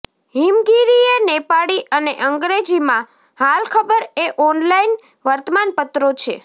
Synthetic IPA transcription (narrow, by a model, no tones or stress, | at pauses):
ɦimɡiɾienepaɽiʔəneʔəŋɡɾed͡ʒimã | halkʰəbəɾeʔɔnlain | ʋəɾt̪əmanpət̪ɾot͡ʃʰe